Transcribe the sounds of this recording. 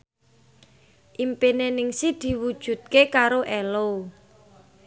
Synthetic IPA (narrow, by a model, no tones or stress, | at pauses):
ʔimpenenɪŋsid̪̥i̤wud̥ʒ̥ṳt̪̚kekaɾoʔɛlo